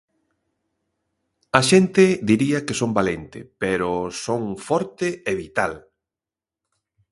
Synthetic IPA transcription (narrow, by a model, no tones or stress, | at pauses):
ɐʃent̪ɪd̪iɾiɐkesombalent̪ɪ̰peɾosoŋfɔɾt̪ɪeβit̪al